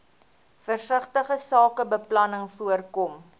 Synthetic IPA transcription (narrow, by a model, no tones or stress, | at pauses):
fərsəχtəχəsɑːkəbəplɐnəŋfuərkɔm